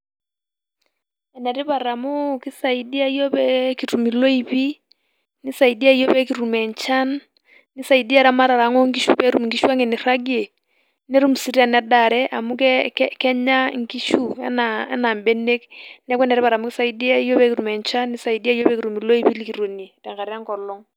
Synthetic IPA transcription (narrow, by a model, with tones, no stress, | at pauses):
ɛ˨nɛ˨ɾi˦pa˨ɾa˨mu˦ki˦sa˨i˨di˦a˦i˦jo˦pɛ˦ki˨ɾu˨mi˨lo˦i˦βi˦ | ni˦sa˨idi˦a˦i˦jo˦pɛ˦ki˨ɾu˨mɛ˨ɲt͡ʃa˦nː | i˦sa˨i˨di˦a˦ɾa˦ma˦ɾa˨ɾa˨˦ŋo˦ŋɡi˦ʃu˦pɛ˦ɾu˦mŋɡi˦ʃu˦a˦ŋɛ˨ni˨ra˦ɡe˨ | ne˦ɾu˦m˨si˨ɾi˦a˨nɛ˨da˨ɾɛ˦ʔa˨mu˦kɛkkɛ˦ɲa˦ŋ˦ki˦ʃu˦ɛ̰˦naɛ̰˦na˨mbe˦ne˦knɛ˦kwɛ˦nɛ˨ɾi˦pa˨ɾa˨mu˦ki˦sa˨i˦di˦a˦i˦jo˦pɛ˦ki˨ɾu˨mɛ˨ɲt͡ʃa˦nːi˦sa˨idi˦a˦i˦jo˦pɛ˦ki˨ɾu˨mi˨lo˦i˦pi˦li˦ki˨ɾo˨nie˨tɛ˨ŋka˨ɾi˦a˦ŋkɔ˨lɔ˦ŋ